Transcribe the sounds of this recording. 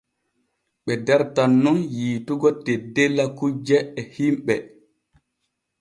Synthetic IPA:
ɓɛdɛɾtanːunjiːtuɡɔtedelːakud͡ʒɛːhimɓɛ

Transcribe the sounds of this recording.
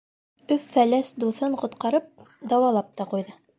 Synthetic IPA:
ɵfːælæsd̪uθɤɴqŏt̪qɑɾɤp̚d̪ɑwɑlˠɑp̚t̪ɑqujðɤ

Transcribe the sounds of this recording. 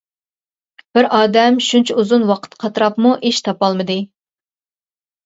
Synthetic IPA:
b̥ɪɾɑːd̪ɛmʃunt͡ʃʰɛuzunwɑqʰə̥t̪qʰɑt̪ɨɾɑpmuʔeʃt̪ʰɑpɑlˠmɨd̪ɨ

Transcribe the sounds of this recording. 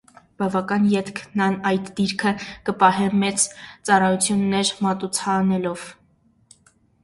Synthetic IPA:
b̥ɑvɑkɑnjɛt̪kʰnɑnɑjt̪d̪iɾkʰəkəpɑɦɛmɛt͡st͡sɑrɑjut͡sʰjunːɛɾmɑt̪ut͡sʰɑnɛlɔv̥

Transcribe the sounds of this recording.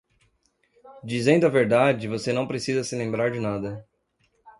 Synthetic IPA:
d͡ʒizẽnd̪ʊɐveɾd̪ad͡ʒɪvosenɐ̃w̃pɾesizɐsɪlẽmbɾaɾd͡ʒɪnad̪ɐ

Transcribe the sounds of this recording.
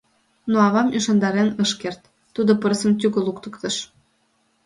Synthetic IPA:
noɑβɑmyʃɑnd̪ɑɾenəʃkert̪ː | ud̪opərsəmt̪̬yɣəlukt̪ə̥kt̪ə̆ʃ

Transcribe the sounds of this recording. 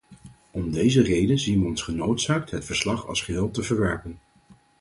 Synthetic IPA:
ɔmdejzərejdənzinʋəɔnsχənowtsaːk̚tɦətfəɹslɑχɑ̰lˠsχəɦɪːlˠtəvəɹʋɛɹpən

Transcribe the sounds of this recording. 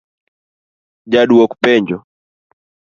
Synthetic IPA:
d͡ʒaɗuwɔkupɛɲd͡ʒɔ

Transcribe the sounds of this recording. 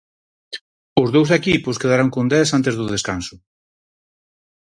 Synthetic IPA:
ʊzðowsekipʊskeðaɾaŋkond̪ɛsant̪ezðʊðeskansʊ

